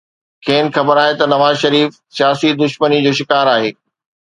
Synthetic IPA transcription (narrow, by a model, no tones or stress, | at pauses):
kʰẽːn̆xɐbəɾaːɦet̪ɐnɐʋaːzʃɐɾiːf | sijaːsid̪ʊʃmənid͡ʑoːʃɪkaːɾaːɦeː